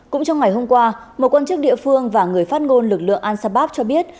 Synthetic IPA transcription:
kʊ̰˧˥ŋ͡mt͡ɕɔ˧wŋ͡mŋa˨˩jɦo˧mkwaː˧ | mo˨˩t̚kwaː˧nt͡ɕɨ˦˥k̚ɗḭ˧˨əfɨ˧əŋvaː˨˩ŋɨ˨˩əjfaː˦˥t̚ŋo˧nlɨ˨˩k̚lɨ̰˧˨əŋʔaː˧nsaː˧ɓaː˦˥p̚t͡ɕɔ˧ɓi˦˥ət̚

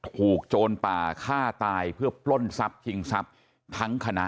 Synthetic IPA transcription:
t̪ʰuː˨˩k̚t͡ɕoː˧npaː˨˩kʰaː˥˩t̪aː˧jpʰɯ˥˩ɐpʰlo˥˩nsa˦˥p̚t͡ɕʰi˧ŋsa˦˥p̚ | t̪ʰa˦˥ŋkʰa˧na˦˥

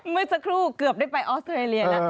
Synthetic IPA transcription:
mɯː˧˥˩sa˧˥kʰɾuː˥˩kɯ˨˩əp̚daː˥˩jpa˧jʔɔː˦˥st̪ɾeː˧li˧ɐa˦˧

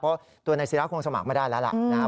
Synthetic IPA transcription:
pʰɔ˦˥ | t̪u˧ɐna˧jsi˦˥la˦˥kʰo˧ŋsa˧ma̰˨˩k̚ma˥˩daː˥˩jlɛ˦˥la̰˧˩laː˦˥

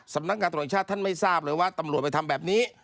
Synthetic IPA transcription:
sa˨˦mna˦˥kŋaː˧t̪̚ːʰt͡ɕʰa˥˩t̪ʰːa˥˩nma˥˩jsaː˥˩p̚ɾɤː˧˦jwaː˥˩t̪a˧mɾu˨˩ət̚pa˧jt̪ʰa˧mbɛː˨˩p̚niː˦˥

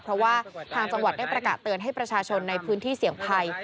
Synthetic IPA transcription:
pʰɾɔ˦˥waː˥˩t̪ʰaː˧ŋt͡ɕa˧ŋwa˨˩t̪̚da˥˩jpɾa˧kaː˨˩t̪ːɯ˧ənɦa˥˩jpɾa˧t͡ɕʰaː˧t͡ɕʰo˧nːa˧jpʰɯː˦˥nt̪ʰiː˥˩si˩˦əŋpʰa˧j

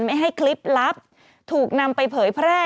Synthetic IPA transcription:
nma˥˩jɦa˥˩jkʰli˦˥p̚la˦˥p̚ | t̪ʰuː˨˩k̚na˧mpa˧jpʰɤː˩˦jpʰɾɛː˥˩

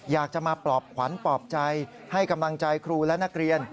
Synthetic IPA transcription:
jaː˨˩k̚t͡ɕa˨˩maː˧pɾɔː˨˩p̚kʰwa˩˦npɔː˨˩p̚t͡ɕa˧j | ha˥˩jka˧mla˧ŋt͡ɕa˧jkʰɾuː˧lɛ˦˥na˦˥k̚ɾi˧ən

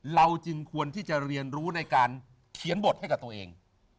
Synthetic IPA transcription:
la˧wt͡ɕɯ˧ŋkʰu˧ənt̪ʰiː˥˩t͡ɕa˨˩ɾi˧ənɾuː˦˥na˧jkaː˧n | kʰi˩˦nbo˨˩t̪̚ha˥˩jk̚t̪u˧əʔḛː˧ŋ

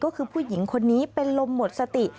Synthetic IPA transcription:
kɔː˥˩kʰɯː˧pʰuː˥˩ji˩˦ŋkʰo˧nːiː˦˥pe˧nlo˧mːo˨˩t̪̚sa˧t̪i˨˩

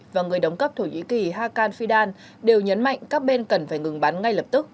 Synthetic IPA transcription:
vaː˨˩ŋɨ˨˩əjɗə˨˦wŋ͡mkə˦˥p̚t̪ʰo˧˩ɲḭ˧˥ki˨˩ɦaː˧kaː˧nfi˧ɗaː˧n | ɗe˨˩wɲə˨˦nma̰˧˨jŋ̟kaː˦˥k̚ɓe˧nkə˨˩nfaː˧˩jŋɨ˨˩ŋɓa˨˦nŋa˧jləː˨˩p̚t̪ɨ˦˥k̚

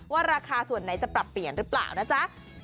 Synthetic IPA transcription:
waː˥˩ɾaː˧kʰaː˧su˨˩ənːa˩˦jt͡ɕa˨˩pɾa˨˩pːli˨˩ənɾɯ˦˥pla̰ː˨˩wnaː˦˥˩t͡ɕa˦˥ʔ

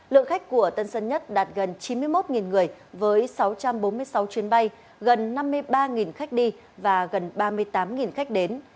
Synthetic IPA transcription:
lɨ̰˧˨əŋxa˦˥jk̟̚kːu˧˩ət̪ə˧nsə˧nɲə˦˥t̚ɗaː˨˩t̚ɣə˨˩nt͡ɕi˨˦nmɨ˧əjmo˦˥t̚ŋi˨˩nŋɨ˨˩əj | vəː˨˦jsa˨˦wt͡ɕa˧mɓo˨˦nmɨ˧əjsa˨˦wt͡ɕwi˨˦ənɓa˧j | ɣə˨˩nːa˧mːɨ˧əjɓaː˧ŋi˨˩nxa˦˥jk̚ɗi˧ | vaː˨˩ɣə˨˩nɓaː˧mɨ˧əjt̪aː˨˦mŋi˨˩nxa˦˥jk̟̚ɗe˨˦n

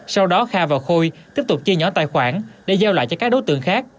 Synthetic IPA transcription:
sa˧wɗɔ˨˦xaː˧vaː˨˩wxo˧jt̪i˦˥əp̚t̪ʊ˨˩k͡p̚t͡ɕi˧əɲɔ˨˦t̪a̰ː˧˨jxwaː˧˩nɗe˧˩zaɛ˧wla̰ː˧˨jt͡ɕɔ˧kaː˦˥k̚ɗo˨˦jt̪ɨ̰˧˨əŋxaː˦˥k̚

